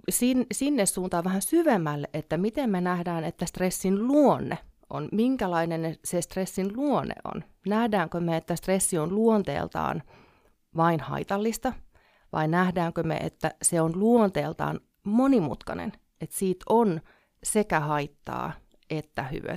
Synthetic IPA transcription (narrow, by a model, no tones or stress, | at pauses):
sinsinːessuːnt̪ɑːʋʋæhænsyʋemːælːeʔet̪ːæmit̪emmenæhdæːnet̪ːæst̪resːinluonːeʔo̰nmiŋkælɑinennesest̪resːinluonːḛo̰n | næhdæːŋkømeet̪ːæst̪resːionluont̪ḛːlt̪ɑ̰ːn | ʋɑinhɑ̰it̪ɑlːist̪ɑ | ʋɑ̰innæhdæːŋkømḛʔḛt̪ːæseonluont̪eːlt̪ɑ̰ːn | monimṵt̪kɑ̰nḛn | et̪siːt̪on | sekæhɑit̪ːɑ̰ː | et̪ːæhy̰ʋø̰